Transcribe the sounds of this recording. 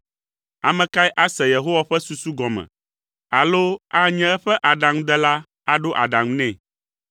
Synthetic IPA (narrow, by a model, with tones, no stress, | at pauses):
a̰˨mɛ̃˨ka˦i˦ʔa˦sɛ˨je˨ɦo˦wa˨ɸɛ˦su˨su˦ɡɔ˨mɛ̰̃˨ | a˨lo˦a˦ɲɛ̃˦ɛ˦ɸɛ˦ʔa˨ɖa˨ŋũ˦d̪ɛ˦la˦ | a˦ɖo˦ʔa̰˨ɖa˨ŋũ˦nɛ̃˦˨